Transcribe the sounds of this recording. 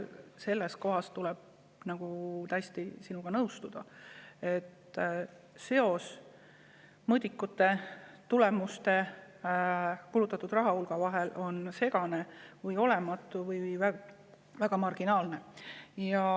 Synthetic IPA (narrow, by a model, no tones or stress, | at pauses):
se̞lːesko̞ɦɑst̪ulɛb̥̚ | nɑɡ̥ut̪æjst̪isinuɡ̥ɑnɤwst̪ud̪̥ɑe̞t̪ːˑ | se̞o̞s | mɤd̪ʲikːˑut̪ːˑe̞t̪ule̞must̪e̞ | kulut̪ːˑɑt̪ːˑud̪̥rɑɦɑulɡ̥ɑvɑɦe̞lʔo̞nse̞ɡ̥ɑne̞vɯɤjo̞le̞mɑt̪ːˑuvɤjjvæɡ | væɡ̥ɑmɑrɡ̥inɑːlne̞jɑ